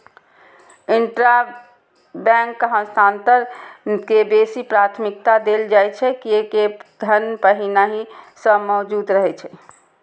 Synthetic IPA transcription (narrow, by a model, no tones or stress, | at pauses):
ɪɳʈɾa | bɛ̃ŋkːəɦə̃st̪ʰant̪əɾkebesipɾat̪ʰmik̚t̪ad̪eld͡ʒajt͡ʃʰɛkieked̪ʱənpəɦinaɦisəmɔd͡ʒuːd̪ɾəɦɛt͡ʃʰɛ